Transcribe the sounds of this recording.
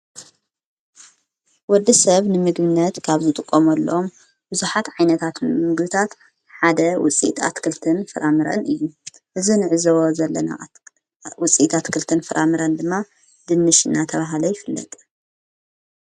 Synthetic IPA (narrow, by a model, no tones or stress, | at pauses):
wɔd̪ːisɐβnɨmɨɡbɨnːɐt̪kʰaβzɨt̪ʼɨkʼːomɐlːɐ̰om | bɨzuħat̪ʕajnɐt̪ʰat̪mɨɡbɨt̪ʰat̪ | ħad̪ɐwʊ̰t͡sʼḭt̪ʼʰa̰t̪kʰɨlt̪ʰɨnfɨɾʔamɨɾɐ̰nʔɨjːu | ʔɨzinɨʕɨzɐwozɐlːɐna̰ | wʊt͡sʼit̪ʰat̪kʰɨlt̪ʰɨnfɨɾʔamɨɾɐnd̪ɨmːa | d̪̥ɨnːɨʃɨnːat̪ʰɐβaɦlojɪfɨlːɐ̰t̪ʼ